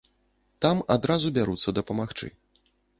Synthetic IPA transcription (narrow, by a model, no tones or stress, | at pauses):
t̪amad̪ɾazubʲaɾut̪sːɐd̪ɐpɐmaxt͡ʂɨ̰